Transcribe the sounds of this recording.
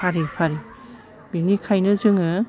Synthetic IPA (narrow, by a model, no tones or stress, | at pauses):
aɾipʰaɾi | b̥inikʰajnɯzɯŋɯ